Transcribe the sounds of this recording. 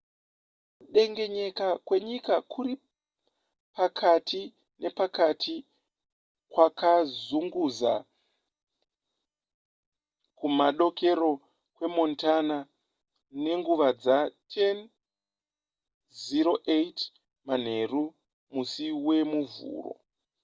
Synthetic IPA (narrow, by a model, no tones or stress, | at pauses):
kuɗe̞ŋɡe̞ɲe̞kakwe̞ɲikakʰuri | pakʰatʰi | ne̞pakatʰi | kwakazuŋɡuza̰ | kumaɗo̞ke̞ɾo̞ | kwe̞mo̞ntana | ne̞ŋɡuʋad͡zatʰen | ziɾo̞ʔejt | man̤e̞ru | musiwe̞muvṵːro̞̰